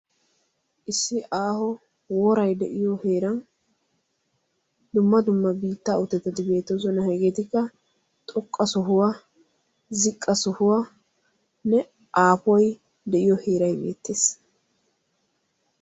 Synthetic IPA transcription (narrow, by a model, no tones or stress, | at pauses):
ʔɪsːɪʔaːhɔ | woːɾɐjd̪ɛ̰ʔɪjɔheːɾɐn | d̪ʊmːɐd̪ʊmːɐbiːt̪ːaːʊt̪ːɛt̪ːɐd̪ɪbe̞ːt̪ːos̬ɔnɐhɛɡet̪ɪkːɐ | t̪ʼɔkʼːɐsɔɦʊwa | zɪkʼːɐsɔhʊwa | nɛ | ʔaːpɔj | d̪ɛʔɪjɔhe̞ːɾɐjbe̞̰ːt̪ːe̞ːs